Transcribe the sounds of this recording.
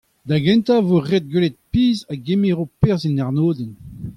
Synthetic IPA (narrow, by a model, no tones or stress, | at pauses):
d̪aɡɛ̃nt̪avoʁed̪̚ɡwelɛt̪̚piːzaɡemeʁopeʁzinaʁnoːd̪ɛn